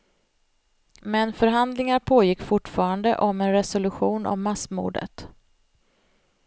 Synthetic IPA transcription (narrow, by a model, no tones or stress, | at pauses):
mɛnfœɾɦand̪lɪŋaɾpʰoːjɪkːfʊʈːfɑːɾand̪əʔɔmɛnɾɛsɔlɵɧuːnɔ̰mːasmṵːɖə̰t̪